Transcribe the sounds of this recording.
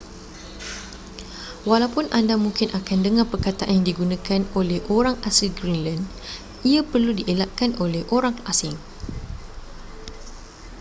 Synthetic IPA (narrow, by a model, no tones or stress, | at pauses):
walawpʊnʔandamũŋkɪnʔakandəŋãpərkat̪aʔaɲjãŋdiɡunãkanolɛhʔoɾaŋasilɡɾinland | iapərludiʔelaʔ̪̚kanʔolɛhʔoɾaŋʔasɪŋ